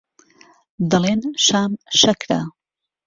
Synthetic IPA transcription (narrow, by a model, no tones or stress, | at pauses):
d̪ɐlenʃaːmʃɐkɾa̰